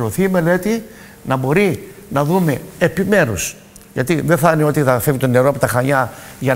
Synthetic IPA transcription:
ɾo̞θiːme̞le̞t̪i | nɐbo̞ɾinɐðume̞epime̞ɾus | ʝɐt̪iðe̞θɐneo̞t̪iθɐfe̞vit̪o̞ne̞ɾoɐpo̞t̪ɐxɐɲɐʝɐ

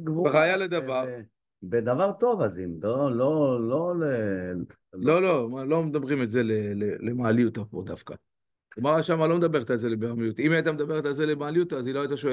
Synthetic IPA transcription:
ɡvaʁaːjaled̪avaʁ | bed̪avaʁt̪o̞vazimlololole | lo̞lo̞malo̞med̪abʁimetze̞lelelemaːlijut̪apod̪afka | ɡmaʁaʃamalo̞med̪abe̞ʁet̪alze̞lebeʁamijut̪imeat̪̬amed̪abeʁet̪alze̞lemaːlijut̪aziloajt̪aʃoe

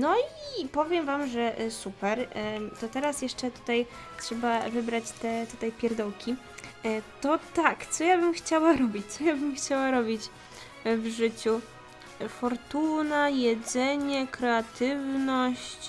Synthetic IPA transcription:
nɔipɔvʲjɛmvamʐɛsupɛɾt̪ɔt̪ɛɾasjɛʂt͡ʂɛt̪u̥t̪aj | tʂɛbavɘbɾat͡ɕt̪ɛt̪ut̪ajpʲjɛɾd̪ɔwkʲi | t̪ɔt̪akt̪sɔjabɘmxt͡ɕawaɾɔbʲit͡ɕt̪sɔjabɘmxt͡ɕawaɾɔbʲit͡ɕ | vʐɘt͡ɕu | fɔɾt̪unajɛd̪zɛɲɛkɾɛat̪ɘvnɔɕt͡ɕ

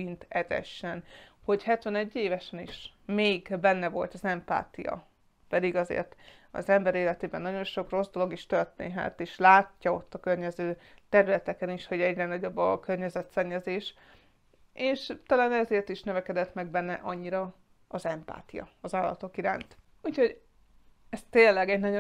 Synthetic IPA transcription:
int̪ɛzɛ̰ʃːɛnho̞chɛt̪ʋɛnɛɟːeːvɛʃɛnḭʃmeːɡbɛnːɛvo̞̰lt̪ɒzɛmpa̰ːt̪ijɒ̰ | pɛd̪iɡɒzḛːrt̪ | ɒ̰zɛmbɛɾeːlɛt̪eːbɛnːɒɟo̞nʃo̞kro̞zd̪o̞lo̞ɡiʃt̪ørt̪ḛːɦɛ̰t̪eːʃlaːcːɒo̞t̪ːɒkørɲɛzøːt̪ɛɾylɛt̪ɛkɛniʃho̞ɟɛɟrɛnɒɟo̞bːɒkørɲɛzɛt̪sɛɲːɛzeːʃ | eːʃt̪ɒlaːnɛzeːrt̪iʃnøvɛkɛd̪ɛt̪mɛɡbɛnːɛ̰ʔɒɲːiɾɒ | ɒzɛmpa̰ːt̪ijɒ̰ɒzaːlːɒ̰t̪o̞kiɾa̰ːnt̪ | uːcho̞ɟ | ɛst̪eːlːɛɡɛɟnɒ

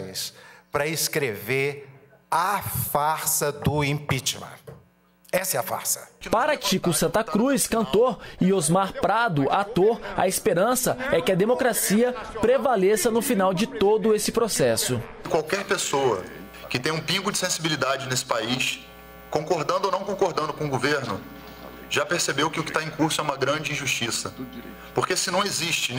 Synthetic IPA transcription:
j̃spɾɐeskɾeveɾ | afaɾsɐd̪ʊĩpit͡ʃmɐ̰̃ | ɛsɐɛɐfa̰ɾsɐ̥paɾɐkikʊsɐ̃nt̪ɐkɾujskɐ̃nt̪oɾɪozmaɾpɾad̪ʊʔat̪oɾɐ̰ɪspeɾɐ̃sɐɛkɪɐd̪emokɾasiɐpɾevalesɐnʊfinawd͡ʒɪt̪od̪ʊesɪpɾosɛsʊkwawkɛɾpesowɐ̰ | kɪt̪ẽj̃ũpĩɡʊd͡ʒɪsẽsibilid̪ad͡ʒɪnesɪ̥paiʃ | kõkoɾd̪ɐ̃nd̪ʊonɐ̃w̃kõkoɾd̪ɐ̃nd̪ʊkõʊɡoveɾnʊ | ʒapeɾsebewkɪʊkɪ̥t̪aẽkuɾsʊɛũmɐɡɾɐ̃d͡ʒɪĩʒuʃt͡ʃisɐ | poɾkesɪnɐ̃w̃eziʃt͡ʃɪ

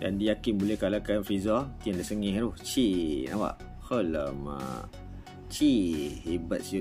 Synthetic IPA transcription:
da̰ndijakɪnbolɛhkalakanfizat̪iandasəŋĩɦɾuht͡ʃinaba̰ʔ | hələmə̰ | t͡ʃihibat̪̚su

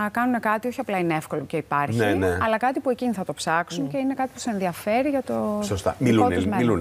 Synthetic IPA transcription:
ɐkɐnune̞kɐt̪ioçiɐplɐineefko̞loceipɐɾçneneɐlɐkɐt̪ipue̞ciniθɐt̪opsɐksunce̞ine̞kɐt̪ipu̥sesenðiɐfeɾiʝɐt̪osost̪ɐ̰miluonezmilun

